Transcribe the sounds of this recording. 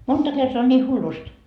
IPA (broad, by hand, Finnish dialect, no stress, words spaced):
montɑ kertoɑ on nʲiː hulːust